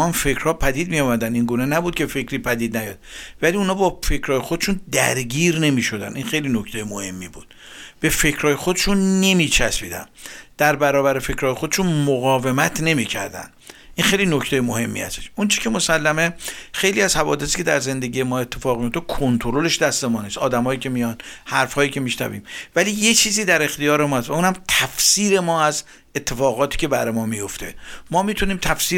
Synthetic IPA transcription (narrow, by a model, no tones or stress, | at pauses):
ɒːnfe̞cʰɾ̥hɒːpʰæd̪iːd̪̚mijɒːmæd̪æniŋɡuːnenæbuːd̪̚kʲʰe̞fe̞kʰɾiːpʰæd̪iːd̪næjɒ̰ːd̪̥̚væliunɒːbɒːfe̞cɾɒːje̞xo̞d̪eʃund̪æɾɡiːɾne̞miʃo̞d̪ænʔinxe̞jlinoct̪ejemohe̞mːiːbuːd̪̥ | b̥e̞fe̞cʰɾɒːjexod̪eʃunːe̞miːt͡ʃʰæsbḭːd̪æ̰nd̪̥æɾbæɾɒːbæɾe̞fe̞cʰɾɒːjexo̞d̪eʃunmoɣɒːve̞mæt̪ʰne̞miːcʰæ̰ɾd̪æ̰n | ʔinxe̞jlinocʰt̪ʰejemohe̞mːḭæ̰st̪eʃont͡ʃʰi̥kʲʰe̞mosælːæme̞xe̞jliːæz̥hævɒ̰ːd̪e̞siːcʰe̞d̪æɾze̞nd̪eɡiːje̞mɒːe̞t̪ʰːe̞fɒːɣmijo̞ft̪kʰont̪ʰoɾo̞le̞ʃd̪æst̪emɒːniːsɒːd̪æmɒːjiːcʲʰe̞mijɒnhæɾfhɒːjiːcʰe̞miʃnæ̰vḭːmvæliːjet͡ʃʰiːziːd̪æɾe̞xt̪ijɒːɾe̞mɒːhst̪væuːnæmt̪ʰæfsiːɾe̞mɒːæz | et̪ʰːe̞fɒːɣɒːt̪ʰi̥ːcʰe̞bæɾmɒːmijo̞ft̪ʰe̞mɒːmit̪ʰuniːmt̪ʰæfsiː